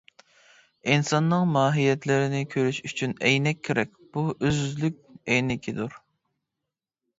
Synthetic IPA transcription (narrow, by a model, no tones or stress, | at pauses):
insɑnːɨŋmɑːɦijɛt̪lɪɾɪnɪkʲʰøɾyʃyt͡ʃʰynɛjnɛkʲʰːeɾɛk̚ʲb̥uʔøzlyk̚ʲɛjnɪkʲʰid̪uɾ